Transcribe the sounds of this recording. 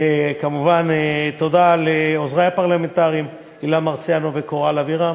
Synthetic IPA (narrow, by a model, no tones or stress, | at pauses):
ekamuvanet̪od̪aleozʁajapaʁlament̪aʁim | ilamaʁt͡sjanovekoʁalaviʁa